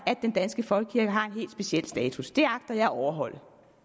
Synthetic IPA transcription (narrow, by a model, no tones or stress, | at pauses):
æd̥̚end̥ænsɡ̥əfɒ̽lɡ̥ə̥kʰiɐɡ̥əɦɑ̈e̝nɦe̝̰ːld̥sb̥e̝siel̰̥sd̥ɛːt͡sʰusd̥e̝ɑ̈ɡ̥̚d̥ɐjɑ̈ɪɒʊɐɦɒ̽l̰